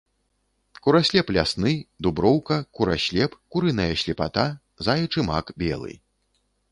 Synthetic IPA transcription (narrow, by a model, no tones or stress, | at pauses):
kuɾasʲlʲɛplʲasnɨd̪ubɾɔwkɐkuɾaɕʲlʲɛpkuɾɨnɐjɐɕʲlʲɛpat̪a | zajɐt͡ʂɨma̰kbʲɛ̰lˠɨ̰